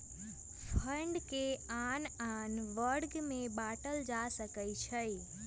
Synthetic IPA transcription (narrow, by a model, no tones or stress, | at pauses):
fʰəɳɖkeananʋəɾɡmẽbaːʈəld͡ʒasəkəit͡ʃʰəi